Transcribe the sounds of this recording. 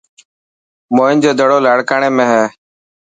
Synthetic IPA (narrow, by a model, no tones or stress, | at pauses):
moːɪnd͡ʒoːd̪ʱəɽoːlaːɽkaːɳeːmẽːɦɛː